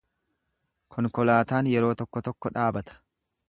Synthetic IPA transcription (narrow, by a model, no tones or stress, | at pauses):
kʰɔŋkɔlaːt̪aːnjɛɾo̞ːt̪ɔkːɔt̪ɔkːɔᶑaːbɐt̪ɐ̥